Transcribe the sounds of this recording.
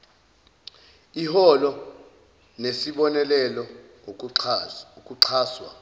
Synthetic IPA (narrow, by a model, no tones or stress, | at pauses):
ihɔlɔ | nesiɓɔnɛlɛlɔŋo | kʼuǀʰaːswa̰